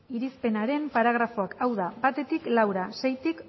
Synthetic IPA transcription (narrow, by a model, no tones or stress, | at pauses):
iɾispe̞naɾe̞mpaɾaɣ̞ɾafo̞akawðabat̪e̞t̪iklawɾasejt̪ik